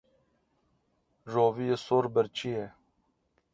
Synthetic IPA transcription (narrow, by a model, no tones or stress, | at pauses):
ʐoːvijesoːɾbɐɾt͡ɕie